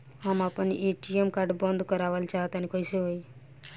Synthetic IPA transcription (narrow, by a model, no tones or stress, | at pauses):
amapənḭʔeʈiemkaɾɖbə̃nd̪kəɾaʋəlt͡ʃʰaɦt̪anekɔiseɦoj